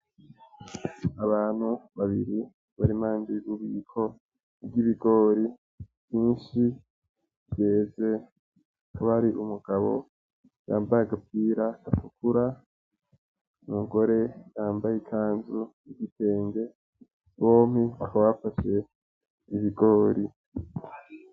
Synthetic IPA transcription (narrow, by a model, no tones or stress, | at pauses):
aβaːn̥huβaβiɾi | βaɾimaːndiɾuβiːkʰo̞ | bɟiβiɡo̞ːɾi | βjiːnʃi | ɟe̞ːze̞ | kʰuβaɾiʔumuɡ̥aβo̞̰ | ja̰ːmbajaɡap̚iːɾaɡatukʰuɾa | nuːŋɡo̞ɾe̞jaːmbajikʰaːnzu | iɡitʰe̞ːŋɡe̞ | βo̞ːmiβakaβafaʃe̞ | iβiɡo̞ːɾʔi